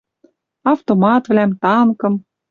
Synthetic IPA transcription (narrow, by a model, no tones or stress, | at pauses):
ɑft̪omɑt̪vlæmt̪ɑŋkɤ̆m